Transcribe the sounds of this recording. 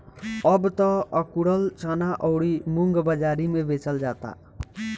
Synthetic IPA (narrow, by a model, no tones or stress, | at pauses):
əbt̪ɔəkuɽəlt͡ʃənaʔɔʊɽimuŋɡbəd͡ʒaɾimebet͡ʃəld͡ʒat̪a̰